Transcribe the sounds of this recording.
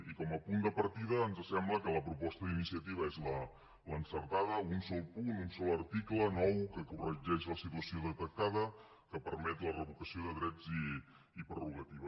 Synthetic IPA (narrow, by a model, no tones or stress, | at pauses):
ikɔməpund̪əpəɾt̪iðəːnzəsɛmbləkələpɾupɔst̪əðinisiət̪iβəezlə | lənsəɾt̪aðəunsɔlˠpununsɔləɾt̪iklənɔwkəkurəʒɛʃləsit̪uwəsioðət̪ək̚t̪aðə | kəpəɾmɛt̪lərəβukəsioðəðɾɛd͡ziː | pɾəruɣət̪iβə